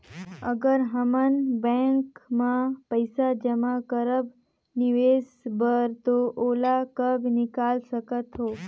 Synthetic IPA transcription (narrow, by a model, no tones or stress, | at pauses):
ə̰ɡəɾɦəmənbẽŋkmãpəjsad͡ʒəmakəɾəb | nɪʋeːsbəɾt̪oʔoːlakəbʱnɪkaːlsəkət̪ɦoː